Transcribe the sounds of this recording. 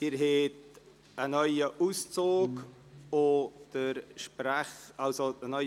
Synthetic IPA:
d̥ɪɾɦet | ənœʏəʔust͡soːk | od̥əɾʃpɾaχalsoənœ

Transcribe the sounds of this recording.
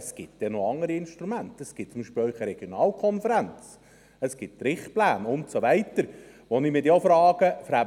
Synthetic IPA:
sɡ̥ɪt̚d̥ɛnoɑŋəɾiɪnʃtɾumæntəsɡ̥ɪt̚t͡sʊmiʃpɪlœʏχəɾɛɡ̥jonɑːlkʰɔnfəɾænt͡s | əsɡ̥ɪt̚tɾɪχtplæːnʊntsoʋɛɪt̪əɾ | ʋonɪmɪd̪jofɾɑːɡəfəɾhæb

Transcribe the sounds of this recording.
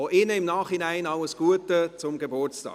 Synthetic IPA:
oʔɪnəɪmnaːχhinæɪnɑləsɡ̥uətət͡sʊmɡebʊɹt͡stɑ̰ː

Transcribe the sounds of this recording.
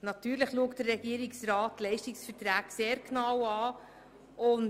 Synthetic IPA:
nɑtyːɾləχluəktd̥əɾːɛɡ̥iəɾiksrɑːtlɛɪʃtiksfətɾæːkseːɾkʰnɑwɑː | ʊn

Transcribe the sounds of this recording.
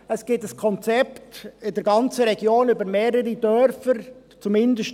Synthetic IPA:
əsɡ̥ɪtəskʰɔnt͡sɛptɪdɛɾɡɑnt͡səɾɛɡ̥joːnybəɾmeːɾəɾidœɾfəɾ | t͡sumɪndəʃt

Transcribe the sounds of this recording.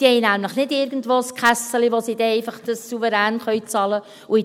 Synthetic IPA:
d̥ihɛjnæmləχnɪdɪɾɡən̩dvoːskχæsəliʋosiːdɛɛɪfɑχd̥ɑsːuvəɾæːnχœɥt͡sɑlə | ui

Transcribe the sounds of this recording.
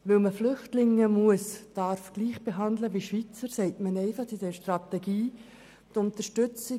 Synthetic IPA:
ʋɪlməflʏχtlɪŋːəmuəsd̥ɑɾfɡ̥liːχb̥eɦɑndləʋiʃʋit͡səɾsɛɪtmənɛɪfɑχd̥idɛːɾʃtrɑtɛɡiː | tʊntəʃtʏt͡sɪ

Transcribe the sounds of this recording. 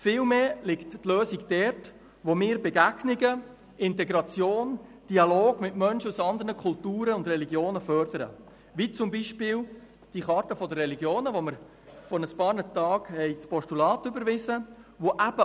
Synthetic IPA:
fɪːlmeːlɪkttløːsiɡd̥ɛɾt | ʋomɪːɾbɛɡæɡ̥nɪɡə | ɪntɛɡɾɑt͡sjoːnd̥iɑloːɡ̥mɪtmœnʃəusɑnd̪əɾnəkʰʊltuːɾəʊndrɛliɡjoːnəfœɾd̥̪əɾə̰ | ʋit͡sʊmbiʃpɪːl | d̥iχɑɾtəfɔdərːɛliɡjoːnəʋoməɾ | fɔnəspɑːɾnətɑːɡ̥hɛɪt͡spɔʃtulɑːtʏbəɾʋɪzəʋoʔæb̥ə

